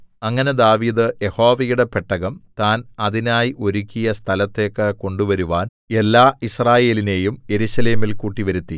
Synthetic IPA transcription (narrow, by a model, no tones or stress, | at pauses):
ɐŋːɐne̞d̪aːʋiːd̪ɨje̞ho̞ːʋɐjuɽepeʈːɐɣɐmt̪aːnɐðinaːjiʔo̞ɾukʲːijɐst̪ʰɐlɐt̪ːe̞ːkːɨko̞ɳɖuʋɐɾuʋaːn | e̞lːaːʔisraːje̞ːline̞ːjumje̞ɾuɕɐleːmilkuːʈːiʋɐɾut̪ːi